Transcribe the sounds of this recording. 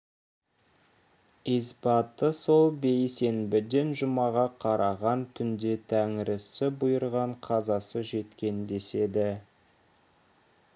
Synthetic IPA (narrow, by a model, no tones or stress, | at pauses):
izbɑt̪ːəso̞lˠbe̞jse̞nbɪd̪e̞nʒʊmɑʁɑqʰɑɾʔɑʁɑnt̪ʰʏnd̪e̞t̪ʰæŋɪɾɪsɪbʊjəɾʁɑɴqʰɑzɑsəʒe̞t̪kʲe̞nd̪e̞se̞d̪ɪ